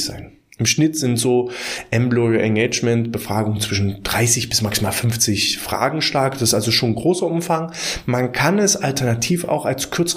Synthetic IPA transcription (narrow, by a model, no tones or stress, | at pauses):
z̥a̰ɪn | ʔɪmʃnɪtz̥ɪntz̥oːʔɛmblɔiʔɛnɡeːt͡ʃmɛntb̥əfʁ̥aːɡʊŋət͡sv̥ɪʃn̩d̥ʁaɪsɪçb̥ɪsmaksimaːlfʏnft͡sɪçfʁ̥a̰ːɡŋ̩ʃlaɐk̚d̥ḁsɪstʔalzoʃoːnɡʁoːsɐʔʊmfaŋmankʰanɛsaltɛɐnatʰiːfa̰ʊxalskʰʏɐt͡s